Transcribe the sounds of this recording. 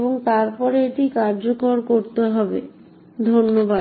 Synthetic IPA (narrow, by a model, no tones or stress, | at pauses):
boŋt̪aɾpɔɾeeʈikaɾd͡ʑokoɾkoɾt̪eɦɔbḛ | d̪ʱonːoba